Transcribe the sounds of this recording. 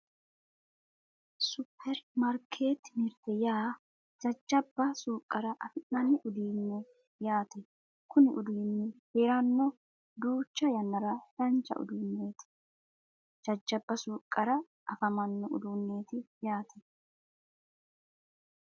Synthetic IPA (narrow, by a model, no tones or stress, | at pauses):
sʊpʰːɛɾmɐɾkʰeːt̪nɪɾt̪ɛjaː | d͡ʒɐd͡ʒːɐbːɐsuːkʼːɐɾɐʔɐfɪnːɐnːɪʔʊd̪iːnːɛ | jaːt̪ɛ | kʊnɪʔʊd̪iːnːɛheːɾɐnːɔ | d̪uːt͡ʃːɐjɐnːɐɾɐɐnt͡ʃːɐ̰ʔʊ̰d̪uːnːeːt̪ɪ̥ | d͡ʒɐd͡ʒːɐbːɐsuːkʼːɐɾɐ | ʔɐfɐmɐnːɔʊ̰d̪uːnːe̞ːt̪ɪjaːt̪ʰɛ